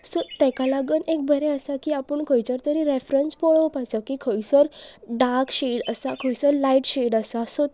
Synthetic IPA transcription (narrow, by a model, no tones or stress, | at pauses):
sot̪ɛ̃kalaɡənek̚bʱəɾɛəsakiapəɳkʰəjt͡ɕəɾt̪əɾiɾefɾənspɔɭəpasakikʰəjsəɾɖaɾkɕeɖəsakʰəjsəɾlaiʈɕeɽəsaso